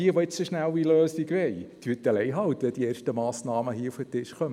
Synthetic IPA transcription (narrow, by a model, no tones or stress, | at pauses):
iəʋoɪt͡səʃnæwiløːsiɡʋɛɪtʰyːət̚dəlɛɪɦɑwt̪ʋɛdieːrʃtəmɑːsnɑːməɦiəufətɪʃχœm